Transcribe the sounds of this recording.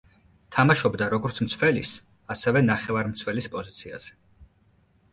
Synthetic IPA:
t̪ʰamaʃɔbd̪aɾɔɡɔɾt̪sʰmt̪sʰvɛlḭs | asɛvɛnaχɛvaɾmt̪sʰvɛlispʼɔzit̪sʰia̰z̥ɛ̥

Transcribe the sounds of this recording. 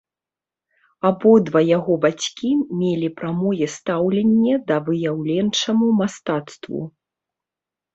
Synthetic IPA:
abɔd̪vajaɣɔbat͡sʲkʲimʲelʲipɾamɔjɛst̪awlʲenʲːɐd̪ɐvɨjawlʲɛnt͡ʂɐmumast̪at̪st̪vṵ

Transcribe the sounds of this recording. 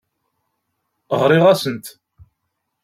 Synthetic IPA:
ʁɾˤɪʁæsənt̪

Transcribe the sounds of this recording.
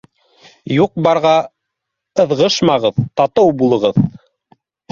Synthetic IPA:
juq̚bɑɾʁɑ | ɤ̆ðʁɤʃmɑʁɤðt̪ɑt̪ɤwbulˠɤ̆ʁɤð

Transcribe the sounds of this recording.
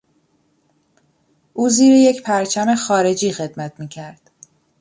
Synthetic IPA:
ʔuːziːɾeje̞cpʰæɾt͡ʃʰæme̞xɒːɾe̞d͡ʒiːxe̞d̪mæt̪ʰmiːcʰæɾd̪̥

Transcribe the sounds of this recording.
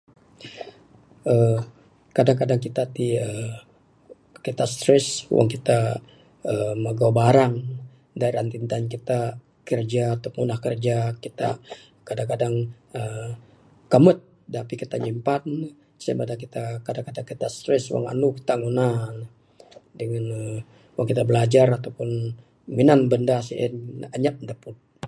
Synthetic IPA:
ə | kadaŋkadaŋkit̪at̪iə | kit̪ast̪ɾɛswʔa̰ŋkit̪a | əməɡawbaɾaŋ | daiɾant̪int̪ankit̪a | kərd͡ʒaut̪ʊk̚ŋunahkərd͡ʒakit̪a̰ | kadaŋkadaŋ | ə | kəmət̪̚ | dapikit̪aɲimpan | sa̰madak̬it̪akadaŋkadaŋkit̪ast̪ɾɛswa̰ŋa̰nuki̥t̪aŋunahn | dəŋanə | waŋkit̪abəlad͡ʒarat̪awpʊn | minanbəndasiɛ̰naɲap̚ndapʊt̪̚

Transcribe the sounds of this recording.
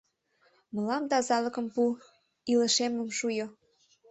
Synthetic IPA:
mə̆lɑmt̪ɑzɑlɤ̆kə̆mpu | ilə̆ʃemə̆mʃujo

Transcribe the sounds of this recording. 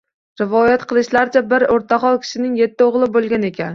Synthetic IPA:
ɾɪvɒjat̪qʰɨlˠɪʃlaɾt͡ʃʰabɪɾoɾt̪ʰaχɒlˠkʲʰɪ̥ʃɪnɪŋje̞t̪ʰːɪoʁlˠɪbolˠɡʲane̞kʲan

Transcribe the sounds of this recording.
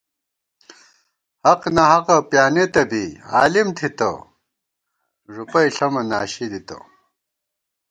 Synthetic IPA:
hɐqnɐɦɐqɐpjaːnet̪ɐbia̰ːlimt̪ʰit̪ɐ̰ | ʐupɐjɬɐmɐnaːɕid̪it̪ɐ̰

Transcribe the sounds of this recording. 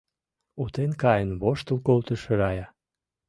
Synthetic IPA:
ut̪enkɑjənβoʃt̪ə̆lkolt̪ə̆ʃeɾɑjɑ

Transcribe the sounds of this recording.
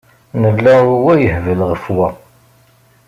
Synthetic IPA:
nəlːæuwæjəhvəlʁəfwæ

